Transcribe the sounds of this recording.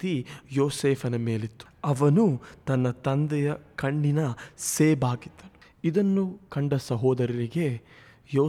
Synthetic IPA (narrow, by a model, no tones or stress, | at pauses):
ijoːseːpʰɐnɐme̞ːlit̪ːu̥ɐʋɐnut̪ɐnːɐt̪ɐnd̪ɛjɐkɐɳːinɐseːbaːɡid̪ːɐnu̥ | id̪ɐnːukɐɳɖɐsɐɦɔːd̪ɐɾɐɾiɡe̞ | joː